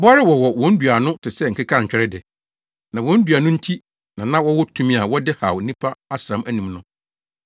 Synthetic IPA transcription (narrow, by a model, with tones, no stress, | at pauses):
ba˦ɾɪ˦wɔ˨wɔ˨wɔ̃˦n̩˦dɥa˨nʊ̃˦tʰɪ˨sɛ˦ŋ̩˨kʰɪ˦kʰa˦˨ɲ̩˨t͡ɕᶣɛ˦ɾɛ˦dɪ˨ | nã˨wɔ̃˦n̩˦dɥa˨nʊ̃˦n̩˦tʰi˦ | nã˨nã˦wɔ˦wɔ˦tʰu˦mĩ˦a˨wɔ˦dɪ˦ha˨wnĩ˦pʰa˦a˦sɾã˨˦mʔæ˦nĩ˨mnʊ̃˦